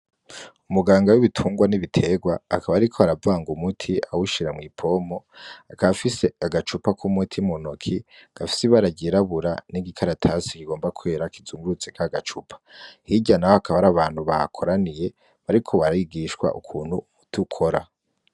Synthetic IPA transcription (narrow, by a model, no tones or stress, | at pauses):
umuɡaːŋɡawiβitʰuːŋɡwaniβitʰe̞ɡwaːkaβaɾikʰoaɾavaːŋɡumutʰia̰wuʃiɾamŋiːpʰo̞moakafise̞aɡat͡ʃupakʰumutʰimonokʰiɡ̥afi̥siβaɾaɟiɾaβuɾaniɡikʰaɾatʰasikiɡo̞ːmbakʰwe̞ːɾakizuːŋɡuɾut͡sekaɡat͡ʃupʰḁhiɟanahohakʰaβaɾaβaːn̥huβa̰kʰo̞ɾanije̞ | βaɾikʰo̞βaɾaiɡiʃkwa̰ʔṵkʰuːn̥huutʰukʰo̞ɾa̰